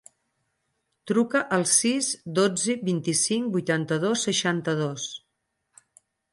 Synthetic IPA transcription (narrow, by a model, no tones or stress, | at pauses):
t̪ɾukəʔəlˠsizd̪od͡ziβint̪isiŋbujt̪ant̪əð̞osːəʃant̪əð̞os